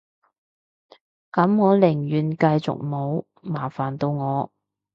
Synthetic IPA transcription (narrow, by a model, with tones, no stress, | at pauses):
kɐ˨˥mŋɔː˨˧lɪ˨˩ŋjyː˨˩nkɐ˧jt͡sʊ̰˨k̚mo˨˧˥w | maː˨˩faː˨˩nt̪o˧wŋɔː˨˧